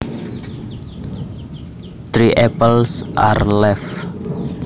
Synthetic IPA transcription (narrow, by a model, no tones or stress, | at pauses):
t̪ɾiʔɛpəlsʔa̰rlɛf